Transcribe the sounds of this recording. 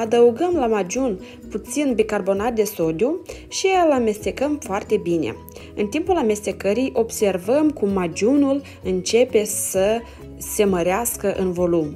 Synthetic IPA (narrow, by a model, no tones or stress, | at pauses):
ad̪əuɡəmlamad͡ʒun | put̪sinbikarbo̞nat̪̚d̪e̞so̞d̪ju | ʃiɨlame̞st̪e̞kəmfoart̪e̞bine̞̰ | ɨnt̪impulame̞st̪e̞kəɾijʔo̞bse̞rvəmkumːad͡ʒunul | ɨnt͡ʃe̞pe̞sə | se̞məɾeaskəʔɨnvo̞lum